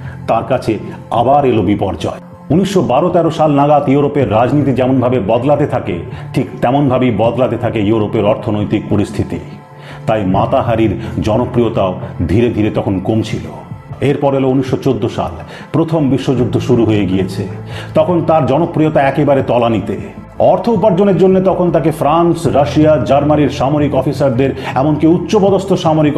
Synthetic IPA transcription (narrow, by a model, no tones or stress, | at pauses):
t̪aɾkat͡ɕʰea̰baɾelobipɔɾd͡ʑɔ̰e | uniʃʃobaɾot̪ɛɾoʃalnaɡat̪iuɾopeɾːad͡ʑnit̪̬id͡ʑɛmonbʱabebɔd̪lat̪et̪ʰakeʈʰikt̪ɛmonbʱabibɔd̪lat̪et̪ʰakeeuɾopeɾɔɾt̪ʰonojt̪ik̚poɾist̪ʰit̪ḭ | t̪ajmat̪aɦaɾiɾd͡ʑɔnopːɾijot̪aod̪ʱiɾed̪ʱiɾet̪ɔkʰonkomt͡ɕʰilo̰ | eɾpɔɾelouniʃːot͡ɕod̪ːoʃa̰l | pɾot̪ʰombiʃːod͡ʑuɡ̚d̪ʱːoʃuɾuɦojeɡiet͡ɕʰet̪ɔkʰont̪aɾd͡ʑɔnopːɾiot̪aɛkebaɾet̪ɔlanit̪e | ɔɾt̪ʰoupaɾd͡ʑoneɾd͡ʑonːet̪ɔkʰont̪akefɾansɾaʃiad͡ʑaɾmaniɾʃamoɾikɔfisaɾd̪eɾɛmonkiut̪ːɕobɔd̪ost̪ʰoʃamoɾik